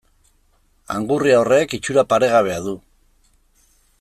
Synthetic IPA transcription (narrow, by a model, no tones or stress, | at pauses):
a̰ŋɡuriaore̞kit͡ʃuɾapaɾe̞ɣ̞aβ̞e̞aðu